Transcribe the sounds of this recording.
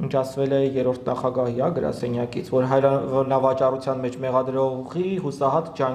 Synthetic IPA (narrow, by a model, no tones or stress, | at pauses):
ənt͡ʃʰɑsʰvɛlɛjɛɾɔɾt̪ʰnɑχɑɡɑɦiɦɑɡəɾɑ̰sɛnjɑkit͡sʰvɔɾɦɑnɑvɑt͡ʃɑrut͡sʰjɑnmɛt͡ʃʰmɛʁɑd̪ɾɔʁiɦusɑɦɑt̪d͡ʒɑ